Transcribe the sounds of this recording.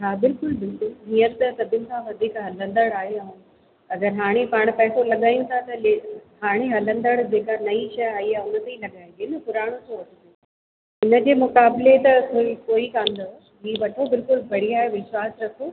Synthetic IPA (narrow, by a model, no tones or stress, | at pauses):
taːbɪlkʊld̪ʊduniːət̪t̪ɐsɐbʱɪʊnɪ̆sãʋɐd̪ʱiːkɦɐlə̃nd̪əɽaːɦeɐũ | ɐɡəɾɦaːɽ̃epaːɽ̃pɐɦɪsolɐɠaːij̃ũt̪ʰat̪ɐleɦaːɽ̃eɦɐlə̃nd̪əɽd͡ʑeːkanɐiʃɐjaːɦiaʊnə̆t̪eĩlɐɠaːĩd͡ʑenɪpʊɾaːɽ̃õt̪ʰõʋɐʈʰənd̪o | ɪnə̆d͡ʑeːmʊkaːblet̪ɐkoikoːikãːn̆d̪o | ɦiːʋɐʈʰobɪlkʊlbʱɐɽ̤iaːɦeʋɪʃwaːsɾɐkʰoː